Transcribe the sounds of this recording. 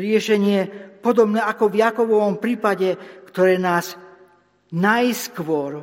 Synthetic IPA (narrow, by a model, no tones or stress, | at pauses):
ɾɪɛʃɛɲɪɛpɔd̪ɔbnɛːakɔvjakɔʋɔʋɔmpɾiːpaɟɛkt̪ɔɾɛːnaːz | najskʋʊɔɾ